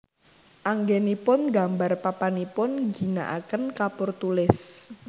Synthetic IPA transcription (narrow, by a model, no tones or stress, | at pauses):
ʔaŋɡenipʊnɡa̤mbarpapanipʊnɡi̤na̰ʔa̰kənkapʊrt̪ulɪs